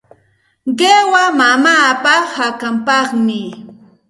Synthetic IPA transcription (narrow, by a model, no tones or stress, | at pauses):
ɢewamamaːpahakampɑχmɪ